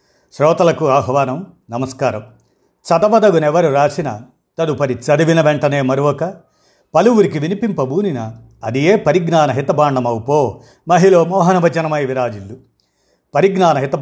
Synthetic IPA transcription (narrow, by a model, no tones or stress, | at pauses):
ʃɾɔːt̪ɐlɐkuaːɦɐʋaːnɐm | nɐmɐskaːɾɐm | t͡ʃɐd̪ɐʋɐd̪ɐɡunɛʋɐɾuɾaːsinɐ̰ | t̪ɐd̪upɐɾit͡ʃɐd̪iʋinɐʋɛɳʈɐne̞ːmɐɾuʋɔkɐ | pɐluʋuɾikiʋinipimpɐbʱuːninɐː | d̪ije̞ːpɐɾiɡnaːnɐɦit̪ɐbaːɳɖɐmɐwupoː | mɐɦiloːmɔːɦɐnɐʋɐt͡ʃɐnɐmɐjʋiɾaːd͡ʒilːu | pɐɾiɡnaːnɐɦit̪ɐ